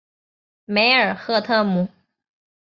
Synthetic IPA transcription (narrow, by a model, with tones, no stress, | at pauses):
me˧˥ɪə˞˨˩xɤ˥˧t̪ʰɤ˥˩mu˨˩